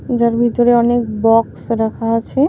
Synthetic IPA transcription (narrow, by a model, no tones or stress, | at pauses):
d͡ʑaɾbʱit̪oɾeɔnek̚bɔksɾakʰaat͡ɕʰe